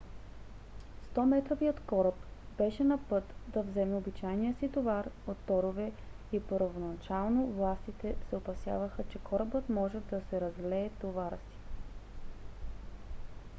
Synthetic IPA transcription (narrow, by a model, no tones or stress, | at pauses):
st̪ɔmɛt̪ɾoviot̪kɔɾəp | bɛʃɛnɐpɤt̪d̪ɐvzɛmɛobit͡ʃajnijəsit̪ovaɾot̪ːɔɾovɛ | ipəɾvonɐt͡ʃalˠnovlˠast̪it̪ɛsɛopɐsja̰vəxət͡ʃɛkʰɔɾəbət̪mɔʒɛd̪ɐsɛɾɐzlɛːt̪ovaɾəsi̥